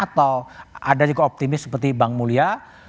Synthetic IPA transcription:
at̪awadad͡ʒuɡaop̚t̪imɪssə̥pərt̪ibaŋmulia

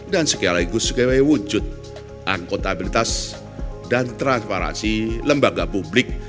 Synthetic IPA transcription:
dansəkialaikusukewewud͡ʒʊt̪̚ | ʔakot̪abilit̪as | dant̪ɾanspaɾa̰nsiləmbaɡapublɪk̚

